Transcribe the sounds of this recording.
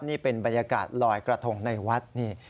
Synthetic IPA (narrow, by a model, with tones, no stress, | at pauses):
p̚niː˥˩pe˧nba˧nja˧kaː˨˩t̪̚lɔː˧˩jkɾa˧t̪ʰo˧˩ŋna˧jwa˦˥t̪̚niː˥˩